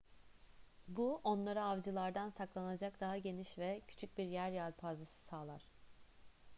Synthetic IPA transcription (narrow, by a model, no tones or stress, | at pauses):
buʔo̞nlˠaɾaavd͡ʒɯlˠaɾd̪ansaklˠanad͡ʒakd̪aɦaɟe̞niʃvɛcʰy̥t͡ʃʰyc̚biɾjæɾjalʲpʰazasɯ̥saːlˠa̰ɾ̥